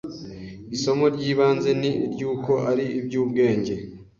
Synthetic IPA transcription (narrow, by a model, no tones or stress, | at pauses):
iso̞mo̞ɾɟiːβaːnze̞niʔiɾɟuːko̞ʔaɾiibɟuːbɡe̞ːɲɟe̞